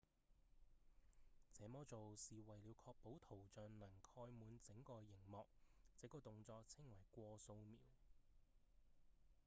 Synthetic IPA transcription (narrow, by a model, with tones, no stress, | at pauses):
t͡sɛː˨˥mɔː˨˥t͡so˨wsiː˨wɐ˨jliː˨˧wkʰɔː˧k̚po˨˥wt̪ʰo˨˩wt͡ʃœː˨nnɐ˨˩ŋkʰɔː˧jmuː˨˧nt͡sɪ˨˥ŋkɔː˧jɪ˨˩ŋmɔː˨˧k̚t͡sɛ˨˥kːɔː˧t̪ʊ˨ŋt͡sɔː˧k̚t͡sʰɪ˥ŋwɐ˨˩jkʷɔː˧so˧wmiː˨˩w